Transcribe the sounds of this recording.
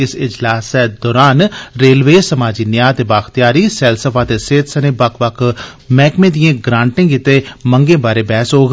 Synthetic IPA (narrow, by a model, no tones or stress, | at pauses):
ɪsɪd͡ʒlaːsɛːd̪ɔːɾaːnɾeːlʋeːsəmaːd͡ʒiːnɪjaːt̪eːbaːxt̪jaːɾiːsɛːlsəpʰaːt̪eːseːt̪səneːbəkʰʋəkʰmɛːkmẽːd̪ijãːɡɾãːɳʈɪ̃ːŋɡɪt̪eːməŋɡẽːbaːɾeːbɛːsɦoːɡ